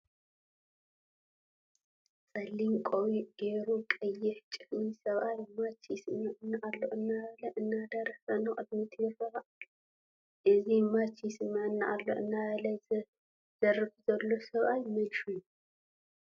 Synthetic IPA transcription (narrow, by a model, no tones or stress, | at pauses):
sʼɐlːinkʼowiʔɡ̥eɾukʼɐjːɪħt͡ʃʼɨħnisɐβʔajmat͡ʃʰismaʔɨnːaʔalːo̞ʔɨnːalɐʔɨnːad̪ɐɾɐħɐnɨχʼɨd̪̚mit̪ʰɨjɨrɐɐʔ | ʔɨzimat͡ʃismaɨnːaʔalːo̞̰ʔɨnːalɐz | z̥ɐrɨfzɐlːo̞sɐβʔajmɐlʃuju